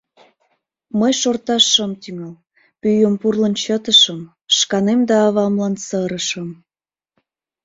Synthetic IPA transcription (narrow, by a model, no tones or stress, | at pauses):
məjʃort̪ɑʃːəmt̪yŋəl | pyjəmpurlənt͡ɕət̪əʃəm | ʃkɑnemd̪ɑːβɑmlɑnsəɾəʃəm